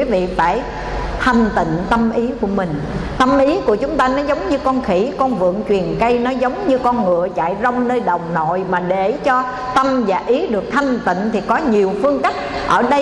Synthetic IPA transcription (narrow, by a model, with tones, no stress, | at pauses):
wi˨˦vḭ˧˨faː˧˩j | t̪ʰa˧˨˩jŋ̟t̪ḭ̈˧˨ŋ̟t̪ə˧mʔi˨˦ku˧˩əmï˨˩ŋ̟t̪ə˧mʔi˨˦ku˧˩ət͡ɕʊ˨˦ŋ͡mt̪aː˧nɔ˨˦zə˨˦wŋ͡mɲɨ˧kɔ˧nxi˧˩kɔ˧nvɨ̰˧˨əŋt͡ɕwi˨˩ənkə˧jnɔ˨˦zə˨˦wŋ͡mɲɨ˧kɔ˧nŋɨ̰˧˨ət͡ɕa̰ː˧˨jzɔ˧wŋ͡mnəː˧jɗə˨˩wŋ͡mno̰˧˨jmaː˨˩ɗe˧˩t͡ɕɔ˧ | t̪ə˧mzaː˨˩ʔi˨˦ɗɨ˨˩ək̚t̪ʰa˧jŋ̟t̪ḭ˧˨ŋ̟t̪ʰi˨˩kɔ˨˦ɲi˨˩əwfɨ˧əŋka˦˥k̚ | ʔəː˧˩ɗə˧